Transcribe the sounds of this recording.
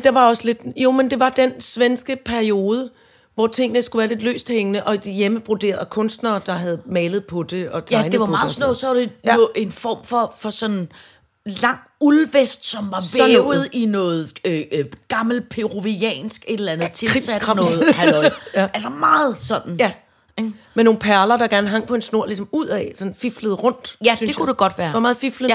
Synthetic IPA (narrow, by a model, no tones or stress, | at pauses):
d̥ɑ̈ʋɑ̈ɒ̽səle̝d̥jo̝mend̥e̝ʋɑ̈d̥ensʋensɡ̥əpʰæɐio̝ːð̞ˠə | ʋɒt͡sʰe̝ŋ̰ənəsɡ̥uʋæːɐle̝d̥lø̰ːsd̥heŋənəʔɒ̽d̥ijeməb̥ʁud̥e̝̰ːɐð̩ˠkʰɔ̽nsd̥nɐːd̥ɑ̈ɦæð̞̩ˠmɛːlð̩ˠpʰɒ̽d̥e̝ɒ̽t͡sʰɑ̈ɪneʋɑ̈snɔsɒʋɑd̥e̝e̝nfɒ̰ːmfɒ̽fɒ̽sɒ̽n̰n̩ | lɑ̈ŋ̰ulʋesd̥sɒ̽mʋɑ̈sʋeð̩ˠinɔ̽ːð̩ˠøɡ̥ɑ̈ml̩pʰe̝ʁoʋiɛ̰ːnsɡ̥e̝d̥lænð̩ˠt͡sʰelʰʁissædkʰʁɑnɔːð̩ˠhʔælsɐmɑ̈ːð̩ˠsɒ̽n̰n̩jæ | meno̝ːn̩pʰæɐlɐd̥ɑ̈ɡ̥æɐnɦɑ̈ŋ̰pʰɒ̽e̝nsno̝ɐ̰lisɒ̽muð̰ˠɛsɒ̽nn̩fifləðˠʁɔ̽n̰d̥æsyndekʰud̥eɡ̥ɒ̽d̥ʋæːɐɑmɑːð̩ˠfiflə